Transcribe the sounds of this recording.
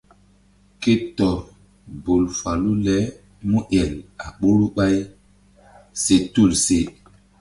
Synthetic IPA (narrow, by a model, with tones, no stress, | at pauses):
ke˦tɔ˨ | bo˨lfa˨lu˦lɛ˦ | mu˦ʔjɛ˨la˨ɓo˦ɾu˦ɓa˦j | se˦tu˦˨lse˦˨